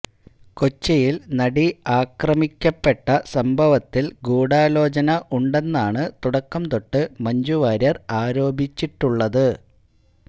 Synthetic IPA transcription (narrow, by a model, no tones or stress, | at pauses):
kot͡ɕːɐjilnɐɽiaːkrɐmikʲːɐpːe̞ʈːɐsɐmbʱɐʋɐt̪ːilɡuːɽaːlo̞ːt͡ɕɐnɐʔuɳɖe̞nːaːɳɨt̪uɽɐkːɐmt̪oʈːɨmɐɲd͡ʑuʋaːɾɐraːɾo̞ːbʱit͡ɕːiʈːuɭːɐðɨ